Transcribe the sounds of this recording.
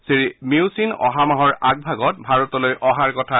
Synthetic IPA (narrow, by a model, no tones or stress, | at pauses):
siɹimiusinɔ̰ɦamaɦɔɹaɡ̚bʱaɡɔt̚bʱaɹɔtɔlojʔɔɦaɹkɔtʰa